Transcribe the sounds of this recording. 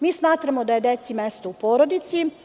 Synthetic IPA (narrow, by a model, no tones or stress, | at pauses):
miːsmaːt̪ɾamo̞d̪aje̞d̪et̪simest̪oupoːɾod̪it̪si